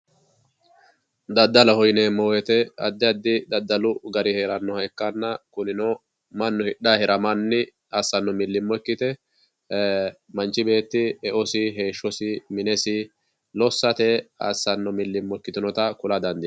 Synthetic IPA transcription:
d̪ɐd̪ːɐlɐhɔjnɛmɔːwɛt̪ɛɐ̰d̪ːɛɐd̪ːɪd̪ɐd̪ːɐlʊɡɐɾɪheːɾɐnːɔhɐɛkːɐnːɐkʊnɪnɔ | mɐnːʊhɪɗːaːhɛɾɐmɐnːɪ | asːɐnːɔmɪlːɪmːɔkːɪt̪ɛ | mɐnt͡ʃːɪbe̞ːt̪ːɪɛʔɔsɪɦe̞ːʃːɔsɪmɪnɛsɪ | lɔsːɐt̪ɛa̰sːɐnːɔmɪlːɪmːɔkːɪt̪ɪnɔt̪ɐkʊlɐd̪ɐnd̪ɪ

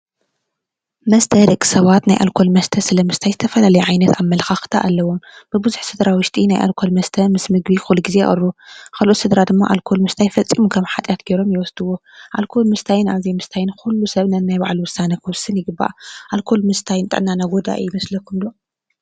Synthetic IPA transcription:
mɐst̪ʰɐɾɨkʼːsɐβat̪najʔa̰lkʰo̞lmɐst̪ʰɐsɨlɐmɨst̪ʰajzɨt̪ʰɐfɐlalɐjɛʕajnɐt̪amːɐlxaxɨ̥t̪ʰa̰ʔalːɐwomb̥ɨbɨzuħsɨd̪ɾawʊʃt̪ʼinajʔa̰lkʰo̞lmɐst̪ʰɐmɨsmɨɡbixuluɡizeʔʼɐ̰rːukʰalʔot̪sɨd̪ɾad̪ɨmːa̰ʔalkʰo̞lmɨst̪ʰajfɐt͡sʼːimukʰɐmħat̪ʼjat̪ɡeɾo̞mjɪwɔsd̪ɨwoʔalkʰo̞lmɨst̪ʰajnaβzimɨst̪ʰajɪnxkulːusɐβnɐnnajbaʕluwʊsanɐkʰɨwsɨnjɪɡɨbːa̰ʔʔalkʰo̞lmɨst̪ʰajnt̪ʼɨ̰ʕnːanaɡod̪a̰jɪmɐslɐkʰːumd̪o

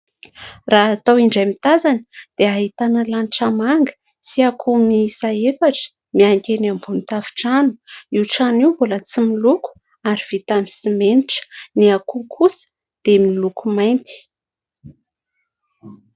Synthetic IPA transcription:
raat̪awiɳɖ͡ʐajmit̪azanə̥d̪̥eaɦit̪anəlanʈ͡ʂamaŋɡə̥ | t͡siakʰumnisaefaʈ͡ʂə̥ | miaŋkʲenambunit̪avi̥ʈ͡ʂanu̥iwʈ͡ʂaniwvolət͡similuku̥ | aɾiv̥it̪amisimeniʈ͡ʂə̥niakukʰusə̥ | d̪̥emilukumajnt̪i̥

